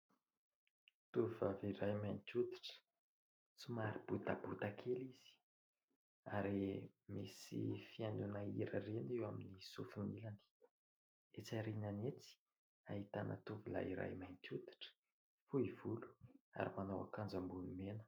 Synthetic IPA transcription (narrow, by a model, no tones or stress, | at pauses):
t̪uvuvaviɾajmajnt̪ud̪i̥ʈ͡ʂə̥ | t͡sumaɾib̥ut̪a̰but̪akʰeliz̥i̥ | aɾemisḭfianunaiɾə̰renewaminisufinilani̥ | et͡saɾinanet͡si̥ | aɦit̪anʔə̰t̪uvila̰iɾa̰jmajnt̪ud̪i̥ʈ͡ʂə̥ | fuivulu̥a̰ɾimanawa̰kand͡zambunumenə̥